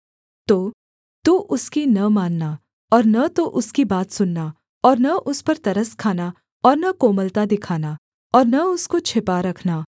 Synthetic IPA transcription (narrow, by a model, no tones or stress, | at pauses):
t̪oː | t̪uʔʊskinɐmaːnːa | ɔːɾnɐt̪oʔʊskibaːt̪sʊnːa | ɔːɾnɐʔʊspɐɾt̪ɐɾəskʰaːna | ɔːɾnɐkoːməlt̪ad̪ɪkʰaːna | ɔːɾnɐʊskot͡ʃʰɪpaɾɐkʰnaː